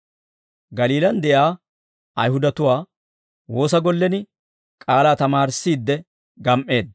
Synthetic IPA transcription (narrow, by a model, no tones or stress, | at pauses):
ɡɐliːlɐnd̪ɛʔjaː | ɐjhʊd̪ɐt̪ʊwaː | wo̞ːs̬ɐɡɔlːɛnɪ | kʼaːlaːt̪ɐmaːɾsːiːd̪ːɛ | ɡɐmʔʼe̞ːd̪